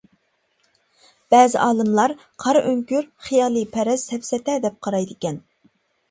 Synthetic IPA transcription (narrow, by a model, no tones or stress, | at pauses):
b̥ɛːzɪʔɑːlˠɨmlˠɑɾ | qʰɑɾʔøŋkʲyɾχijɑːlˠɨpʰɛɾɛsɛpsɛt̪ɛd̪ɛp̚qʰɑɾɑjd̪ɨkʲɛn